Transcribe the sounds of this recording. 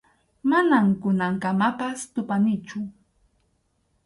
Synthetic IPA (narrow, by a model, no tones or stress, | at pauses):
manamkʊnaŋkamapast̪ʊpanɪt͡ʃʊ